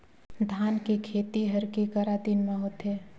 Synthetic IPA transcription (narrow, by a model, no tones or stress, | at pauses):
d̪ʱaːnkekʰeːt̪iɦɐɾkekaɾaːt̪iːnmẽɦoːt̪eː